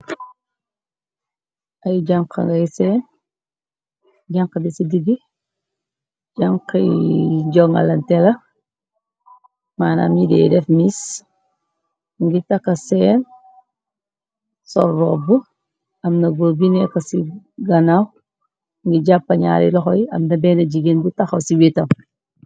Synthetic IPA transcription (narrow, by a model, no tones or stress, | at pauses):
ɐjɟaŋkɐ̰ŋɡɐjsɛːn | ɟaŋkɐbisidiɡi | d͡ʒaŋkɐɟɔŋɐ̰lɐntɛlɐ | maːna̰midɛ̰dɛfmis | ŋɡitɐkːɐsɛːn | sɔɾːɔbu | ɐmnɐɡobinɛkɐsiɡɐnaw | ŋɡiɟapːɐɲa̰ːɾḭlɔxɔjɐmnɐbɛːnɐɟiɡenbutɐxɐwsiwitɐw